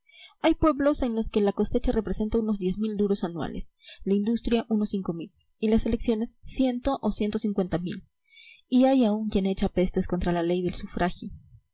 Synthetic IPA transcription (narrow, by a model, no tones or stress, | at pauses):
ajpwe̞βlo̞se̞nlo̞ske̞lako̞se̞t͡ʃare̞pɾe̞se̞nt̪auno̞zðje̞zmild̪uɾo̞sanwa̰leslaind̪ust̪ɾjaʔuno̞siŋko̞mil | ilaseleksjo̞ne̞sːje̞nt̪o̞ʔosje̞nt̪o̞siŋkwe̞nt̪amḭl | iajauŋkje̞ne̞t͡ʃape̞st̪e̞sko̞nt̪ɾalale̞jðe̞lsufɾʔaxjo